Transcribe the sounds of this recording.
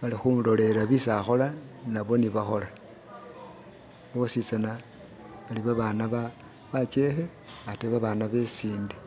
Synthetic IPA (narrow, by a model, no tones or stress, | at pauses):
βalixuːndo̞le̞ɾaβisaxo̞lanaβo̞niβaxo̞la | βo̞sit͡sana | βaliβaβaːnaβa | βat͡ʃe̞xe | ateβaβaːnaβe̞siːndi